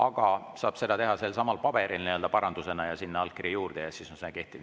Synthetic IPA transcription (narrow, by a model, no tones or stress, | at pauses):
ɑɡ̥ɑ | sɑːb̥se̞d̪ɑt̪e̞ɦɑselsɑmɑlpɑb̥e̞ɾʔilniø̞ld̪ɑpɑɾɑnd̪use̞nɑjɑsinːeɑlkːiɾijuːrd̪̥ejɑsisonsenɑke̞ht̪i